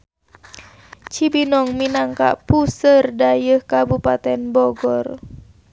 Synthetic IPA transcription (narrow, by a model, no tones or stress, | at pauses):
t͡ʃibinɔŋminaŋka̰ʔpusərdajəhkabupat̪ɛnbɔɡɔr